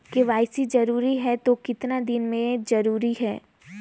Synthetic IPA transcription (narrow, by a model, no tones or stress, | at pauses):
keʋaːɪsid͡ʒɐɾuːɾiɦɛt̪okɪt̪nad̪ɪnmẽzɐɾuːɾiɦɛː